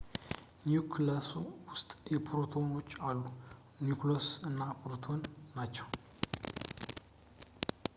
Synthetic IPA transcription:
njukʰlasuwʊst̪ʼjɛpʰɾot̪ʰo̞no̞t͡ʃːalːu | njuklosɨnːapɾot̪ʰo̞nːat͡ʃːɛw

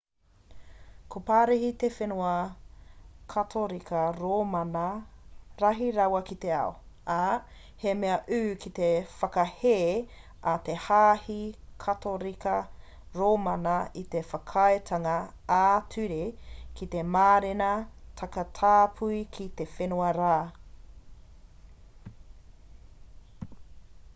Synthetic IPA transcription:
kʰopaːɾehit̪efenuɐ | kʰɐtʰoɾikʰɐɾoːmɐnɐ | ɾɐɦiɾɐwɐkit̪eɐ̰o | a | hemeɐʔʉːkʰit̪efɐkɐheː | at̪e̞haːhikʰɐt̪oɾikɐ | ɾoːmɐnɐit̪efɐkʰɐetʰɐŋɐ | aːtʰʉɾekit̪emaːɾenɐtʰɐkɐtʰaːpʰuikʰit̪efenoɐɾaː

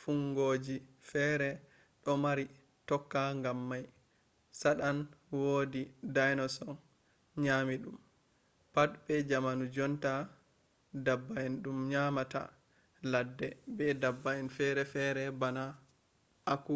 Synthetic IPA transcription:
fuŋɡod͡ʒifɛɾɛ | ɗɔmaɾi | tɔkːaŋɡamːaj | saɗanwoːdidajnɔsɔ | ɲaːmiɗum | patbɛd͡ʒamanud͡ʒɔnta | dabːajɛnɗumɲamata̰ | ladːɛbɛdabːaɛnfɛɾɛfɛɾɛbana | ʔaku

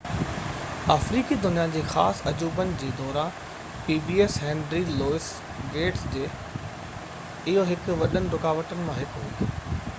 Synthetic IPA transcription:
aːfɾiːkid̪ʊnijad͡ʑeːxaːsɐd͡ʑuːbənɪ̆d͡ʑeːd̪ɔːɾaː | piːbiːesɦɛ̃ːɳɖɾiloːɪs | ɡeːʈsd͡ʑeː | ɪɦoɦɪkʊʋɐɗənɪɾʊkaːʋəʈənɪ̆mãɦɪkɦuiː

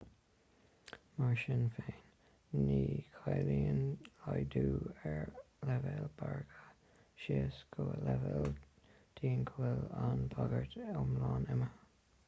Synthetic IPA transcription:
maɹʃɪnfeːnː | iːkʰajliːənlajduːɛɹ | lɛvɛlbaɹɡə | ʃeːsɡʰolɛvɛl | d̥ʰiːnkʰoɛlanbʰaɡəɹt̪ʊmlɑːnɛmə

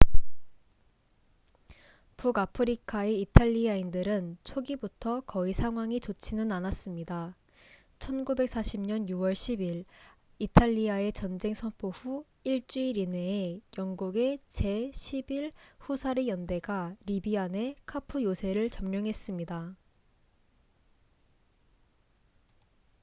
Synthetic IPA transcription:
puɡapʰɯɾikʰae̞itʰaʎːiaindɯɾɯnt͡ɕʰoɡibutʰʌkʌisʰaŋɦwaŋit͡ɕot͡ɕʰinɯnanas͈ɯmɲida | t͡ɕʰʌnɡube̞k̚s͈aɕʰimɲʌnjuwʌɭɕʰibiɾ | itʰaʎːiae̞t͡ɕʌnd͡ʑe̞ŋsʰʌnpʰoɸu | iɭt͡ɕ͈uiɾine̞ːjʌŋɡuɡe̞t͡ɕe̞ɕʰibiɭɸusʰaɾejʌnde̞ɡaɾibiane̞kʰapʰujosʰe̞ɾɯɭt͡ɕʌmɲʌŋɦe̞s͈ɯmɲida

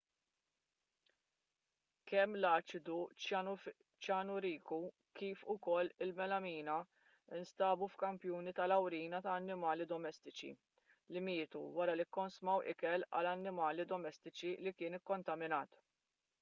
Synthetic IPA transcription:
kɛmːlɐːt͡ʃɪd̪u | t͡ʃjɐːnʊɾiːku | kiːfʊkɔlːɪlmɛlɐmiːnɐ | ɪnst̪ɐːbufkɐmpjuːnit̪ɐlɐwɾiːnɐt̪ɐːnːɪmɐːlid̪ɔmɛst̪ɪt͡ʃḭ | lɪmɪːt̪uwɐɾɐlikːɔnsmɐwʔɪ̰kɛlɐ̰lɐnːɪmɐːlid̪ɔmɛst̪ɪt͡ʃilikɪːnɪkːɔnt̪ɐmɪnɐːt̪

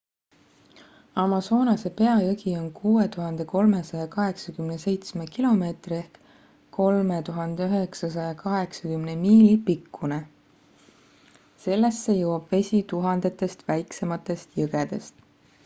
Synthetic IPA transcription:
ɑmɑso̞ːnɑse̞pe̞ɑjɤɡio̞nkʰuːe̞t̪uɦɑnd̪̥e̞ko̞lme̞sɑjɑkɑɦe̞ksɑkymne̞se̞jt̪sme̞kilo̞me̞ːt̪rie̞hk | kːo̞lme̞t̪uɦɑnd̪eyɦeksɑs̬ɑjɑkɑɦe̞ksɑkymnemiːlipikːune | se̞lːe̞sːe̞jɤwɑb̥ve̞sʲit̪uɦɑnd̪̥e̞t̪ːˑe̞st̪væjkse̞mɑt̪ːˑe̞st̪jɤɡ̥ed̪̥e̞st̪

